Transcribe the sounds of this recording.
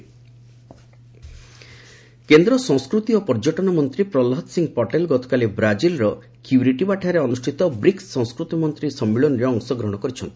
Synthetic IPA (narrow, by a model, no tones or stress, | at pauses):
kend̪ɾɔsɔ̃ŋskɾut̪iopɔɾd͡ʒɔʈɔnɔmɔnt̪ɾipɾɔlɦɔt̪siŋɡpɔʈelɡɔt̪ɔ̥kalibɾad͡ʒilɾɔ | kjuɾiʈibaʈʰaɾeɔnusʈʰit̪ɔbɾiksɔ̃ŋskɾut̪imɔnt̪ɾisɔmːiɭɔnɔɾeɔŋsɔɡɾɔɦɽ̃ɔkɔɾit͡ʃʰɔnt̪ii̥